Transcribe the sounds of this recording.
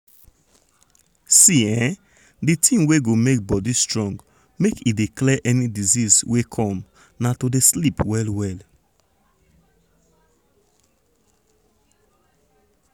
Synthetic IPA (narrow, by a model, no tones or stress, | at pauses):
siɛ̃ | ditʰĩmweɡomek̚bɔdistɹɔ̃ŋɡ | mekidiklɛʔɛnidizizwekʰɔ̃m | natodeslipwɛlwɛl